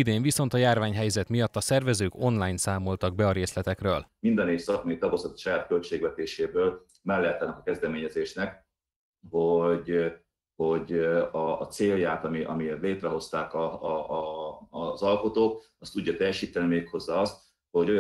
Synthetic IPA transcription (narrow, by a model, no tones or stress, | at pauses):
id̪eːɱviso̞nt̪ɒjaːrvaːɲɦɛjzɛt̪mijɒt̪ːɒsɛrvɛzøːko̞nlaːjnsaːmo̞lt̪ɒɡ̚bɛɒɾeːslɛt̪ɛkrøːlmind̪ɒneːfsɒkmɒjit̪ɒbosɔt̪ːʃɒjaːt̪̚kølt͡ʃeːɡvɛt̪eːʃeːbøːl | mɛlːɛt̪anɛkɒkɛzd̪ɛmeːɲɛzeːʃnɛk | ho̞ɟ | ho̞ɟɒːt̪seːljaːt̪ɒmiʔɒ̰miet̪leːt̪rɛɦo̞st̪aːkɒ | zɒlko̞t̪oːk̚ | ɒst̪uɟːɒt̪ɛjːɛʃiːt̪ːɛnimeːkho̞zːaːɒst̪ | ho̞ɟoj